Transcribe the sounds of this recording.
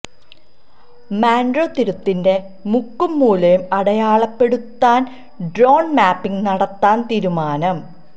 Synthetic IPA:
maːndroːt̪iɾut̪ːinde̞ | mukːumːuːlɐjumɐɽɐjaːɭɐpːe̞ɽut̪ːaːn | ɖro̞ːɳmaːpːiŋnɐɽɐt̪ːaːnt̪iːɾumaːnɐm

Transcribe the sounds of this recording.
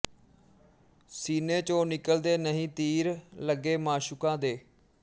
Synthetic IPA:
siːneːt͡ʃoːnɪkəld̪eːnəɦĩːt̪iːɾləɡːeːmãːʃʊkãːd̪eː

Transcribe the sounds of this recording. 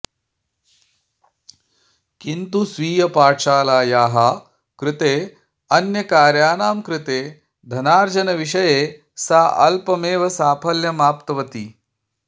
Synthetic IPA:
kint̪usʋiːjɐpaːʈʂaːlaːjaːɦɐ | kɾɪt̪eː | ɐnjɐkaːɾjaːnaːmkɾɪt̪eː | d̪ʱɐnaːɾd͡ʒɐnɐʋiʃɐjeː | saːʔɐ̰lpɐmeːʋɐsaːpʰɐljɐmaːpt̪ɐʋɐt̪i

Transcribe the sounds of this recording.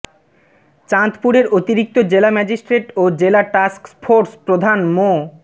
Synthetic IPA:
t͡ɕant̪puɾeɾot̪iɾik̚t̪od͡ʑelamɛd͡ʑisʈɾeʈod͡ʑelaʈasksfʰoɾspɾod̪ʱanmo

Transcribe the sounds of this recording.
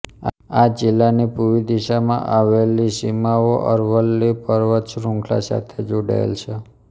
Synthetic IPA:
ad͡ʒɪlːanipuʋid̪iʃamã̰ʔaʋelisimaoʔəɾʋəlːipəɾʋət̪ʃɾũŋkʰla̰sa̰t̪ʰed͡ʒoɽa̰ḛlt͡ʃʰe

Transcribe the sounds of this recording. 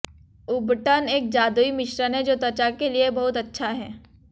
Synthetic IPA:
ʊbʈəneːk̚d͡ʒaːd̪uimɪʃɾənɦɛ̃d͡ʒoːt̪ɐt͡ʃakeliebɐɦʊt̪ɐtːʃʰaɦɛː

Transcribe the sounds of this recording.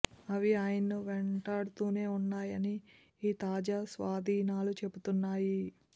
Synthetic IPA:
ɐʋiaːjɐnuʋeɳʈaːɽut̪uːne̞ːunːaːjɐniː | t̪aːd͡ʒaːsʋaːd̪ʱiːnaːlut͡ʃe̞but̪unːaːji

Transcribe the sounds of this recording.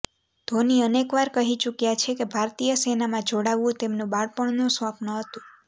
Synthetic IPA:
d̪̥ʱoniənekʋaɾkəɦit͡ʃukjat͡ʃʰekebʱaɾt̪ijəsenamãd͡ʒoɽaʋũt̪emnũbaɽpəɳnũsʋãpnəɦət̪ũ

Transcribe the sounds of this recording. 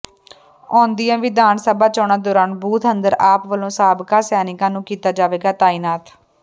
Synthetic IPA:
ɔ̃ːnd̪ɪjãːʋɪd̪aːnsəbaːt͡ʃɔːɳãːd̪oːɾaːnbuːt̪ʰənd̪əɾaːpʋəlõːsaːbkãːsɛːnɪkãːnũːkiːt̪aːd͡ʒaːʋeːɡaːt̪aːiːnaːt̪

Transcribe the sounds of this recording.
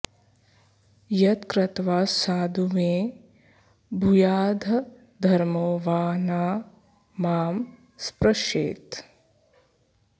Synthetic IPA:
jɐt̪kɾɐt̪ʋaːsaːd̪ʱuʋẽː | bʱujaːd̪ʱɐ | d̪ʱɐɾmoːʋaːnaː | maːm | spɾɐʃḛːt̪

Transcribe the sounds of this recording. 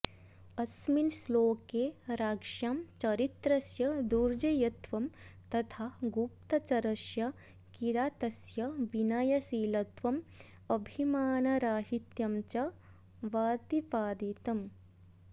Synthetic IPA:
ɐsminsloːkeːɾaːkʂjaːmt͡ʃɐɾit̪ɾɐsjɐd̪uɾd͡ʒɐjɐt̪ʋɐmt̪ɐt̪ʰaːɡup̚t̪ɐt͡ʃɐɾɐʃjɐ | kiɾaːt̪ɐsjɐʋinɐjɐsiːlɐt̪ʋɐm | ɐbʱimaːnɐɾaːɦit̪jɐmt͡ʃɐ | ʋaːt̪ipaːd̪it̪ɐm

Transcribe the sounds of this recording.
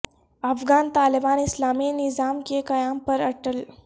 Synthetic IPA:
ɐfɡaːnt̪aːlibaːnislaːminizaːmkekɐjaːmpəɾɐʈəl

